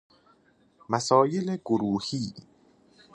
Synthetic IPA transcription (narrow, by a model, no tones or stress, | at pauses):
mæsɒːjeleɡoɾuːhiː